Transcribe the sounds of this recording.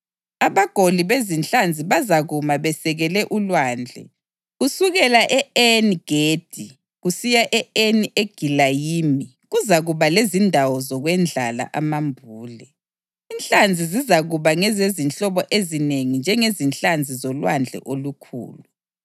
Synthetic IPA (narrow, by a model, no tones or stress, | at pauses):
aβaɡ̥ʱoliβezint͡ɬand͡zʱiβazaɣumaβɛsɛɣɛlɛʔulwaːnd͡ɮʱɛ̰ | ɣusuɣɛlaʔɛɛniɡ̥ʱed̥ʱi | ɣusijaʔɛenieɡ̥ʱilajiːmi | ɣuzaɣuβalezindʱawɔzɔɣwɛnd͡ɮʱala̰ʔamambʱuːlɛ | inɬʼand͡zʱizizaɣuβaŋɛzezint͡ɬɔβɔʔezineŋind͡ʒʱɛŋezint͡ɬand͡zʱizɔlwand͡ɮʱɛ̰ʔolukʰṵːlu